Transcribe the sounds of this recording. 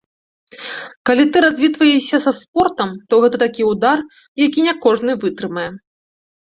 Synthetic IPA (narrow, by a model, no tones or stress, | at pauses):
kalʲit̪ɨɾazʲvʲit̪vɐjɛsʲɐsɐspɔrt̪ɐmt̪ɔɣɛt̪ɐt̪akʲiud̪ar | jakʲinʲakɔʐnɨvɨt̪ɾɨmɐjɛ